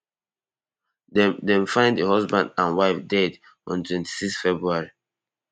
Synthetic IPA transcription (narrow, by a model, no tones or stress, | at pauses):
dɛ̃mfãɪ̃nddəhɔzbã̰ndãnwaɪfdɛd | ɔ̰̃ntʰwɛ̃nti̥siksfɛbɹuaɹi